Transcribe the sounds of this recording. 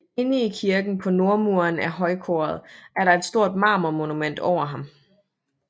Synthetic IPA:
e̝niikʰiɐɡ̥n̩pʰɒ̽no̝ɐmuɐnæɐɦɒ̽ɪkʰɔːɐð̞ˠʔæɐɾɑ̈e̝d̥sd̥o̝ɐ̰d̥̚mɑ̈ːmɐmo̝numen̰d̥ɒʊ̰ɐɦɑ̈m

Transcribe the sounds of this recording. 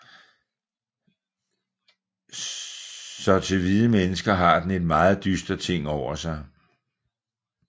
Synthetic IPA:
sɒ̽t͡sʰe̝ʋiðˠəmenəsɡ̥ɐɦɑ̈d̥ene̝d̥̚mɑ̈ːð̞̩ˠd̥ysd̥ɐt͡sʰe̝ŋ̰ɒʊ̰ɐsɑ̈ɪ

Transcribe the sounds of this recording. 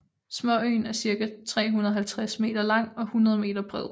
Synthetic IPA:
smɒ̽ø̰ɪnæɐsiɐɡ̥æt͡sʰʁɛ̰ːɦunɐðˠɦælt͡sʰʁasme̝̰ːd̥ɐlɑ̈ŋ̰ɒ̽hunɐð̞ˠme̝̰ːd̥ɐb̥ʁɛðˠ

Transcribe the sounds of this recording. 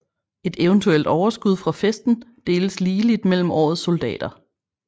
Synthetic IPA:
e̝d̥eʊənt͡sʰuel̰d̥ɒʊɐsɡ̥uð̞ˠfʁɑ̈fesd̥n̩d̥e̝ːləsliːlid̥mel̰m̩ɒ̰ːð̞̩ˠso̝ld̥ɛ̰ːd̥ɐ

